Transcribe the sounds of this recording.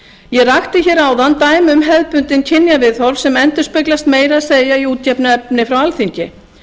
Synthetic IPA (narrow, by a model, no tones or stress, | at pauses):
jɛraxt̪ɪçɛɾaːwðant̪aːjmʏmɦɛðpʏnt̪ɪncʰɪnjavɪðθɔɾv̥sɛmɛnt̪ʏ̥spœɥklast̪meːjɾaðseːjaiuːt̪jɛpnʏɛpnɪfɾawalθiɲcɪ